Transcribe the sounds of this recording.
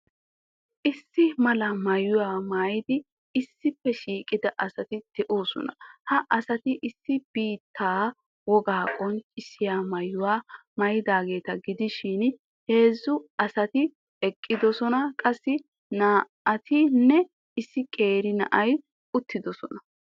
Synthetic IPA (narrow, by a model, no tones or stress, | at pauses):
ʔɪsːɪmɐlɐmɐjʊwaːmaːjɪd̪ɪ | ɪsːɪpːɛʃiːkʼɪd̪ɐʔɐsɐt̪ɪd̪̥ɛʔoːsɔ̰nɐ̰hɐʔɐsɐt̪ɪʔɪsːɪb̥iːt̪ʰːaː | wɔɡaːkʼɔnt͡ʃʼɪsːɪjaːmɐjːʊwaːmɐjɪd̪aːɡe̞ːt̪ɐɡɪd̪ɪʃɪn | he̞ːzːʊɐsɐt̪ɪ | ɛkʼːɪd̪ɔsɔnɐkʼɐsːɪ | naː | ɐt̪ʰɪnːɛ | ɪsːɪkʼe̞ːɾɪnɐ̰ʔɐj | ʊt̪ːɪd̪ɔsɔnɐ